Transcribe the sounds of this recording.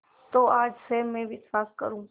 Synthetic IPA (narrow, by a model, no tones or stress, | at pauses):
t̪oːaːd͡ʒseːmmẽbiɪt̪faːskə̰ɾũː